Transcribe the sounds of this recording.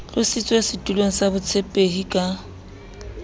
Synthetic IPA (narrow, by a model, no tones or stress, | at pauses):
ɣʊsɪt͡sʼwesɪtʼuloŋ̩sabʊt͡sʰepʼehikʼa